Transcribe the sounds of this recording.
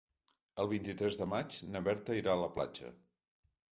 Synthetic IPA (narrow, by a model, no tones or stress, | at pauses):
əlˠβ̞int̪it̪ɾɛzðəmat͡ʃnəβɛɾt̪əiɾaələpla̰d͡ʒə̰